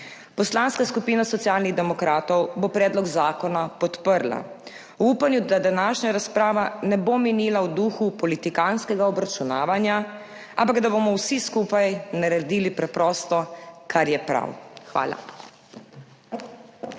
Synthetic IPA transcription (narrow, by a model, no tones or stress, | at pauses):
pɔslanskaskupiːnasɔt̪sjaːlniɣd̪ɛmɔkɾaːt̪ɔwbopɾɛːd̪lɔɡzaːkɔnapɔt̪pəɾla̰ | wuːpanjud̪ad̪anaːʃɲaɾaspɾaːʋanɛbominiːlawd̪uxupɔlit̪ikanskɛɡaɔbɾat͡ʃuna̰ːʋanja | ampaɡd̪abomɔwsiskuːpajnaɾaɾd̪iːlipɾɛpɾɔːst̪ɔkʰaɾjɛpɾa̰wxʋa̰ːla̰